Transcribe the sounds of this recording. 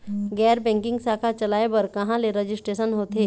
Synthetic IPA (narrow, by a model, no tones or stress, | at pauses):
ɡɛːɾbɛ̃ːŋkɪ̃ŋɡsaːkʰat͡ʃɐlaːebɐɾkɐɦãleɾəd͡ʒɪsʈɾeːʃənɦoːt̪eː